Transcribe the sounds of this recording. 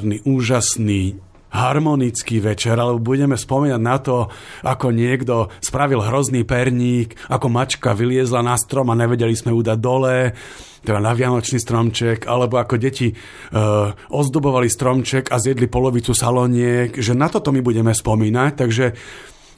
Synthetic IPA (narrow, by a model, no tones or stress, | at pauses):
niʔuːʒasniː | ɦaɾmɔnit͡skiːʋɛt͡ʃɛɾalɛbɔbuɟɛmɛspɔmiːnaɟnat̪ɔakɔɲɪɛɡd̪ɔspɾaʋilɦɾɔzniːpɛɾɲiːk | akɔmat͡ʃkaʋilɪɛzlanast̪ɾɔmaɲɛʋɛɟɛlismɛuːd̪aɟ̚d̪ɔlɛː | t̪ɛd̪anaʋɪanɔt͡ʃniːst̪ɾɔmt͡ʃɛkʰa̰lɛbɔakɔɟɛci | ʔɔzd̪ubɔʋalist̪ɾɔmt͡ʃɛkazɪjɛd̪lipɔlɔʋit͡susalɔɲɪɛkʒɛnat̪ɔt̪ɔmibuɟɛmɛspɔmiːnac̚t̪aɡʒɛ